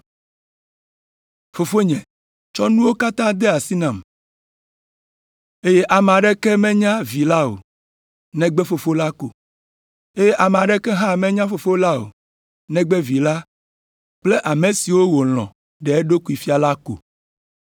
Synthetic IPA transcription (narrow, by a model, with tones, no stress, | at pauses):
fo˨fo˦ɲɛ̃˨ | t͡ʃɔ˦nũ˦wo˦ka˦t̪ã˦d̪ɛ˦a˨si˦nã˨m | e˦je˦ʔa˨m˨a˨ɖɛ˦kɛ˦mɛ̃˦ɲã˦vi˨la˦o̰˨ | nɛ̃˦ɡ͡bɛ˦fo˨fo˦la˦ko̰˨ | e˦je˦ʔa˨me˨a˨ɖɛ˦kɛ˦ɦã˦mɛ̃˦ɲã˦fo˨fo˦la˦o̰˨ | nɛ̃˦ɡ͡bɛ˦vi˨la˦ | k͡ple˦ʔa˨mẽ˨si˨wo˦wo˨l̃ɔ̰̃˨ | ɖɛ˨ɛ˦ɖo˦ku˨˦i˨fi˦a˨la˦ko̰˨